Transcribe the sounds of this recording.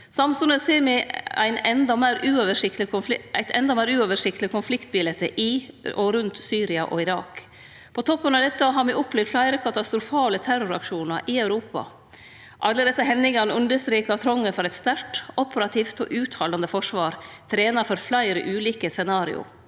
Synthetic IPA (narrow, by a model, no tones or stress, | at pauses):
sɑmsʉnəseːɾmɛæ̰ɪnɛnd̪ɑmæːɾʉːɔʋəʂɪkt̪ɪʊʔæ̰ɪt̪ʰɛnd̪ɑmæɪːɾʉːoʋəʂɪkt̪lɪkʰʊnflɪkt̪̚bɪlɛt̪əʔɪɔɾʉnt̪syːɾɪɑʔɔ̰ɪɾɑːk | pʰɔt̪ʰɔpːənɑʋd̪ɛt̪ːəɦɑɾmɛʔɔplɛːʋd̪flæɪɾəkʰɑt̪ɑst̪ɾʊfɑːlət̪ʰæɾʊɾɑ̰kʂuːnəɾʔɪœʉɾuːpɑ̰ | ʔɑlːəd̪ɛsːəɦɛnːɪŋɑnəʉnd̪əst̪ɾeːkɑt̪ʰɾɔŋːəfɔɾɛɪt̪st̪æɾʈʔɔpəɾɑt̪ʰiːft̪o̰ːʔʉːt̪hɑːlɑnd̪əfɔʂʋɑːɾt̪ʰɾeːnɑfɔɾflæɪɾə̰ʔʉːliːkəsɛnɑːɾɪ̰ʊ̰